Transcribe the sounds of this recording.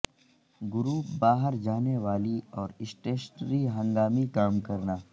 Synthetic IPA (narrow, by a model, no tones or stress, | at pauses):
ɡʊɾuːpbaːɦəɾd͡ʒaːneʋaːliɔːɾɪsʈeːʃnɾiɦɐ̃ŋɡaːmikaːmkɐɾnaː